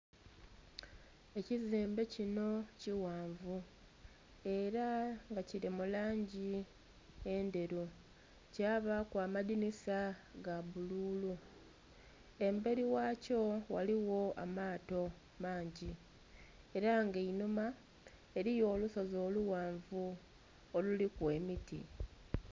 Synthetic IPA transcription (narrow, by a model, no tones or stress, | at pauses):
e̞ciziːmbe̞cino̞ciwaːɱvu | e̞ɾaŋɡaciɾimulaːɲɟi | e̞nde̞ɾu | caβakwaːmadinisaɡaβuluːlu | e̞mbe̞ɾiwaco̞wa̰liwo̞a̰maːto̞ | maːɲɟi | e̞ɾaŋɡeinuma | e̞ɾijo̞ːluso̞zo̞ːluwaːɱvu | olulikwe̞ːmitḭ